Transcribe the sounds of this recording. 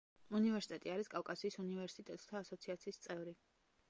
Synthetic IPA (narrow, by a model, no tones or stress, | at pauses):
univɛɾsi̥t̪ʼɛt̪ʼiaɾiskʼafkʼasiːsunivɛɾsit̪ʼɛt̪ʼt̪ʰaːsɔt̪sʰiat̪sʰiːst̪sʼɛvɾi